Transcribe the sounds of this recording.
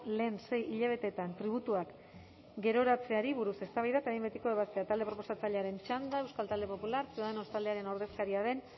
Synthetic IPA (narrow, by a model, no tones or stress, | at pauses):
le̞ːnse̞jiʎaβ̞e̞t̪e̞t̪ant̪ɾiβ̞ut̪uak | ɡe̞ɾo̞ɾat͡se̞aɾiβuɾuse̞st̪aβajðat̪aimbet̪iko̞e̞β̞ast̪e̞at̪ald̪e̞pɾo̞po̞sat͡saʎe̞aɾe̞nt͡ʃand̪aewskalt̪ald̪e̞po̞pulaɾseoðenost̪ald̪e̞aɾe̞no̞ɾðe̞skaɾiaðe̞n